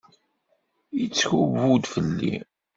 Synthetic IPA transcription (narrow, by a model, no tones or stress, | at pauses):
it͡sːçuvud̪fəlːḭ